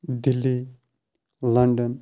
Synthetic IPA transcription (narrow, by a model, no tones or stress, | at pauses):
d̪ɪlːi | lɐɳɖən